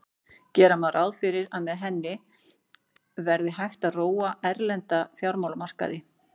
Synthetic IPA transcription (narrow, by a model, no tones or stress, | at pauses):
cɛːɾamaɾʔawðfɪɾɪɾaðmɛðɦɛnːɪ | vɛɾðɪɦajxt̪aðroːwaɛɾlɛnt̪afjawɾmawlamar̥ka̰ðɪ